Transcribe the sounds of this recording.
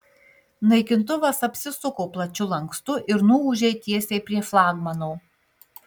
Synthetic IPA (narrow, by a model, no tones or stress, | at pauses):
nɐɪkʲɪnt̪ʊʋɐsɐpʲsʲɪsʊkoːplˠɐt͡ʃʲʊlˠɐŋkst̪ʊʔɪɾnuʊːʒʲɛɪt̪ʲiɛsʲeːpʲɾʲiɛflˠɑːɡmɐnoː